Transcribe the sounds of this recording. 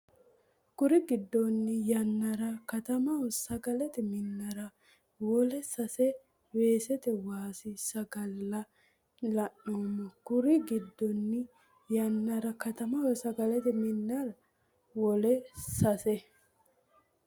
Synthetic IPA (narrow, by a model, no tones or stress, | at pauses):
kʊɾɪɡɪd̪ːɔnːɪjɐnːɐɾɐkɐt̪ɐmɐwɔsɐɡɐlɛt̪ɛmɪnːɐɾɐ | wɔlɛsɐsɛ | we̞ːsɛt̪ɛwaːsɪsɐɡɐlːɐ | lɐnːoːmɐkʊɾɪɡɪd̪ːɔnːɪ | jɐnːɐɾɐkɐt̪ɐmɐwɔsɐɡɐlɛt̪ɛmɪnːɐɾɐ | wɔlɛsɐsɛ